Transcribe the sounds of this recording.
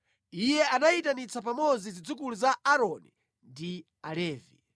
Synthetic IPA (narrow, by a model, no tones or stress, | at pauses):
ijɛanaitanit͡sapamɔd͡zizid͡zukuluzaaɾɔni | ndi | alɛːvi